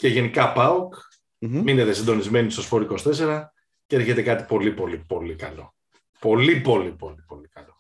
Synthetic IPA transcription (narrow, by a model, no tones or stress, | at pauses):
ce̞ʝe̞nikɐpɐuk | mineðesind̪o̞nizme̞nist̪o̞spo̞ɾiko̞st̪e̞se̞ɾɐ | cee̞ɾçe̞t̪e̞kɐt̪i̥po̞lipo̞lipo̞likɐlo̞ | po̞lipo̞lipo̞lipo̞likɐlo̞